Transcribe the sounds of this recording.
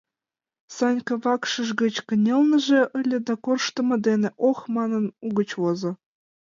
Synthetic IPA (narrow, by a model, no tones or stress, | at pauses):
sɑnʲkɤ̆βɑkʃɤ̆ʒɡə̆t͡ɕkə̆nʲelnə̆ʒeʔə̆lʲĕd̪ɑkorʃt̪ɤ̆mɤ̆d̪enĕʔoxmɑnɤ̆nuɣə̆t͡ɕwozɤ̆